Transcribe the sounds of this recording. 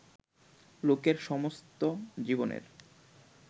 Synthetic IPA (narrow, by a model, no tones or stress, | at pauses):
lokeɾʃɔmost̪od͡ʑibonḛɾ